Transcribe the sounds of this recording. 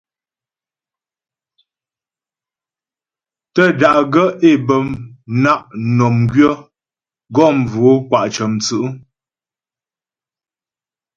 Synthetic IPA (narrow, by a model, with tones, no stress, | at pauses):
tə˦˨da˨ʔɡə˦e˦˨bə˨mna˦˨ʔnɔ˨mɡɥə˦ | ɡɔ˦˨m̩˨vo˨˦kwa˨ʔt͡ʃə˨mt͡sə˨ʔə˦